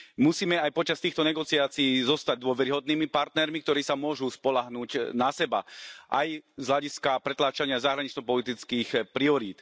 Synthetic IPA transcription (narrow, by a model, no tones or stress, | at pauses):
musiːmɛajpɔt͡ʃast̪iːxt̪ɔɲɛɡɔt͡siaːt͡siiːzɔst̪aɟ̚d̪ʊɔʋɛɾiɦɔd̪niːmipaɾt̪nɛɾmikt̪ɔɾiːsamʊɔʒuːspɔlaɦnuːcnasɛba̰ʔa̰jzɦlaɟiskapɾɛt̪laːt͡ʃaɲɪazaɦɾaɲɛt͡ʃnɔpɔlit̪it͡skiːxpɾiɔɾiːt̪